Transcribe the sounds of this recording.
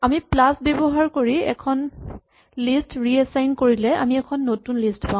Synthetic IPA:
amiplasbɛbɔɦaɹkoɹiɛ̰kʰɔn | listɹiɛsajnkoɹilɛʔa̰miɛkʰɔnːotunlistpã

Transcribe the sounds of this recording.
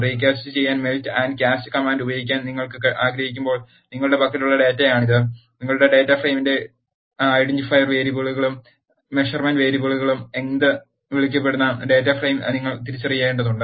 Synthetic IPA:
riːk̬ʲːaːst͡ɕːɨt͡ɕe̞jːaːnmeltɨɐndkaːstɨkɐmaːndubɐjikʲːaːnniŋːɐɭkɨkʔaːɡɾɐɦikʲːumbo̞ːɭ | niŋːɐɭuɽe̞pɐkːɐluɭːɐɖe̞ːtːɐjaːɳiðɨniŋːɐɭuɽe̞ɖe̞ːtːɐfrejminde̞ | ajɽiɲd͡ʑufɐjrʋe̞ːɾiboɭuɣɐɭumː | eʂɐrmɐːnʋe̞ːɾiboɭuɣɐɭume̞nd̪ɨ | ʋiɭikʲːɐp̬ːe̞ɽunːɐɖe̞ːtːɐfrejmniŋːɐɭt̪iɾit͡ɕːɐrijːaːjeɳʈːɐðuɳɖɨ

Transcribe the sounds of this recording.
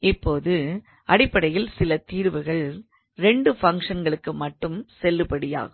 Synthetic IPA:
ɪpːoːðɯ | ʔɐɽɪpːɐɽɐjɪlsɪlɐt̪iːɾʋɯɣɐɭ | ɾɛɳɖɯfɐŋkʂɐnɡɐɭɯkːɯmɐʈːɯmsɛlːɯpɐɽɪja̰ːɣɯ

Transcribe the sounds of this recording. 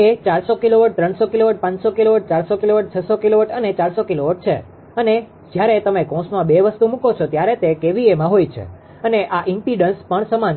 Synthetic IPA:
et͡ʃaɾsokiloʋəʈ̚t̪ɾəɳsokiloʋəʈ̚pãɲsokiloʋəʈ̚t͡ʃaɾsokiloʋəʈ̚t͡ʃʰəsokiloʋəʈənet͡ʃaɾsokiloʋəʈ̚t͡ʃʰḛ | əne | d͡ʒjaɾet̪əmekɔ̃smãbeʋəst̪umũkot͡ʃʰot̪jaɾet̪ekeʋiemãɦojt͡ʃʰḛ | əneʔaʔɪmpiɖənspəɳsəman

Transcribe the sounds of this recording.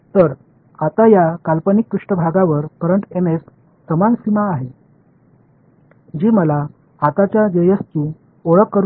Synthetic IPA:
t̪əɾ | at̪ajakalpənikːɾiʂʈəbʱaɡãʋəɾpəɾəɳʈemes | səmansimaːɦe | d͡ʑiːməla | at̪at͡ɕjad͡ʑəjəst̪ũ | oɭəkːəɾ

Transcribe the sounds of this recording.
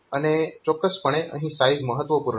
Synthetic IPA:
anet͡ɕɔkːəspəɽ̃eə̰̃ɦĩːsaid͡zməɦət̪ʋəpuɾ

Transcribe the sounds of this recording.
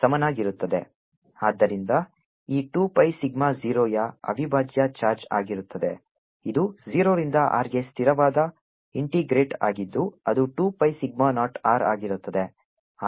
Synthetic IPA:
sɐmɐnaːɡiɾut̪ːɐd̪e̞ | aːd̪ːɐɾind̪ɐ | iːʈuːpɐjsiɡmaziːɾoːjɐɐ̰ʋibʱaːd͡ʒjɐt͡ʃaːɾd͡ʒa̰ːɡiɾut̪ːɐd̪e̞ | id̪uziːɾoːɾind̪ɐʔa̰ːɾɡe̞st̪ʰiɾɐʋaːd̪ɐ | iɳʈiɡɾeːʈa̰ːɡid̪ːuɐd̪uʈuːpɐjsiɡ̚manaːʈaːɾaːɡiɾut̪ːɐd̪e

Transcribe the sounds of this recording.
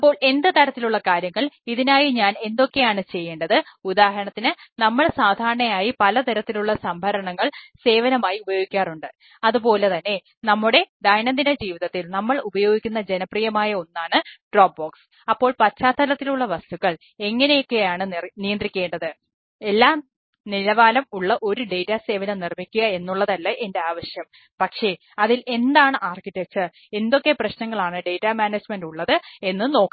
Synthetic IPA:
ɐpːo̞ːɭe̞nd̪ɨt̪ɐɾɐt̪ːiluɭːɐkaːɾjɐŋːɐɭiðinaːjiɲaːne̞nd̪o̞kːe̞jaːɳɨt͡ɕe̞jːe̞ːɳɖɐðɨud̪aːɦɐɾɐɳɐt̪ːinɨnɐmːɐɭsaːd̪ʱaːɾɳɐjaːjipɐlɐt̪ɐɾɐt̪ːiluɭːɐsɐmbʱɐɾɐɳɐŋːɐɭse̞ːʋɐnɐmaːjiubɐjo̞ːɡikʲːaːruɳɖɨ | ɐðupo̞ːle̞t̪ɐnːe̞ | nɐmːuɽe̞d̪ɐjnɐnd̪inɐd͡ʑiːʋiðɐt̪ːilnɐmːɐɭubɐjo̞ːɡikʲːunːɐd͡ʑe̞nɐprijɐmaːjɐo̞nːaːɳɨɖroːp̚bo̞ːks | ɐpːo̞ːɭpɐtt͡ɕːaːt̪ʰːɐlɐt̪ːiluɭːɐʋɐst̪uɣɐɭ | e̞ŋːɐne̞jo̞kːe̞jaːɳɨnijɐnd̪rikʲːe̞ːɳɖɐðɨ | e̞lːaːm | nilɐʋaːlɐmuɭːɐʔo̞ɾuɖe̞jtːase̞ːʋɐnɐnirmikʲːuɣɐe̞nːuɭːɐðɐlːɐʔe̞nde̞aːʋɐɕjɐm | pɐkʂe̞ | ɐðilʔe̞nd̪aːɳɨʔaːrkiʈːek̚t͡ɕ | e̞nd̪o̞kːe̞prɐɕnɐŋːɐɭaːɳɨɖe̞jtːamaːneːd͡ʑmenduɭːɐðɨe̞nːɨno̞ːkː

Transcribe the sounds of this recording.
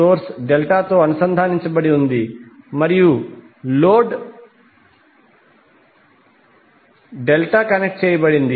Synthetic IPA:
oːɾsɖelʈaːt̪oːɐnusɐnd̪ʱaːniɲt͡ʃɐbɐɽiund̪imɐɾiju | loːɖ | ɖelʈaːkɐnek̚ʈ̚t͡ʃeːjɐbɐɽind̪i

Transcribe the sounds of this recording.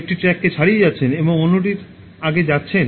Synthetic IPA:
k̚ʈiʈɾɛkːet͡ɕʰaɽijed͡ʑatːɕʰeneboŋonoʈ̬iɾ | aɡed͡ʑatːɕʰen

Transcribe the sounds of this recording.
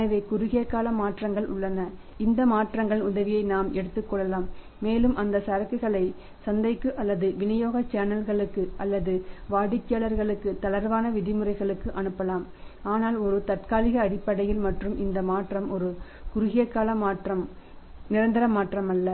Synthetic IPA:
ɐɐʋeːkʊɾʊɣɪjɐkːaːlɐmaːʈrɐŋɡɐɭʊ̰ɭːɐnɐ | ɪnd̪ɐmaːʈrɐŋɡɐɭnʊðɐʋɪjɐɪnaːmɛɽɯt̪ːɯkːɔɭːɐlaːmː | eːlɯmʔɐnd̪ɐsɐɾɐkːɯɣɐɭɐɪ | sɐnd̪ɐɪkːɯʔɐlːɐðɯʋɪnɐjoːɣɐt͡ʃːaːnɐlɣɐɭɯkːɯʔɐlːɐðɯʋaːɽɪkːɪjaːlɐɾɣɐɭɯkːɯt̪ɐlɐɾʋaːnɐʋɪðɪmɯrɐɪɣɐɭɯkːɯʔɐnɯpːɐlaːm | aːnaːlɔɾɯt̪ɐʈ̚kaːlɪɣɐːɽɪpːɐɽɐjɪlmɐʈrɯmʔɪnd̪ɐmaːʈrɐmʔɔɾɯ | kʊɾʊɣɪjɐkːaːlɐmaːʈrɐm | nɪɾɐnd̪ɪɾɐmaːʈrɐmɐlːɐ

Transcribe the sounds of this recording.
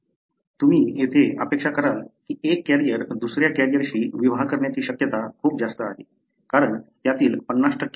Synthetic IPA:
t̪um̤iːjet̪ʰeə̰pekʂakəɾalkiːekːæɾijəɾd̪usɾjakæɾijəɾɕiːʋiʋakəɾɳjat͡ɕiːɕəkjət̪akʰuːp̚d͡zast̪əaɦe | kaɾəɳt̪jat̪iːlpənːaʂʈʰəkː

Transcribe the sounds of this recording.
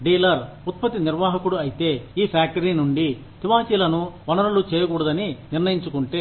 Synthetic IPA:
ɖiːlɐɾ | ut̪̚pɐt̪iniɾʋaːɦɐkuɽuɐjit̪e̞ːiːpʰaːk̚ʈɐɾiːnuɳɖi | t̪iʋaːsiːlɐnuʋɐnɐɾɐlut͡ʃɛːjɐkuːɽɐd̪ɐniniɾnɐjiɲt͡ʃukuɳʈeː

